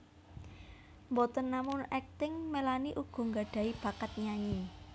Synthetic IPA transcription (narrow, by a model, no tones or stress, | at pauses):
mbɔt̪ənːamʊnɛk̚t̪ɪŋmelaniʔuɡ̥ɔ̤ŋɡaɖ̥a̤ib̥ä̤kat̪̚ɲaɲi